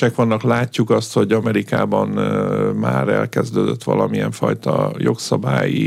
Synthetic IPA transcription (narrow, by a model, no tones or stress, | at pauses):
ɛkʋɒnːɒklaːcːukɒst̪ho̞ɟɒmɛɾikaːbɒnmaːɾɛ̰lkɛzd̪øːd̪øt̪ːʋɒ̰lɒmiɛɱfɒjt̪ɒjo̞ksɒbaːji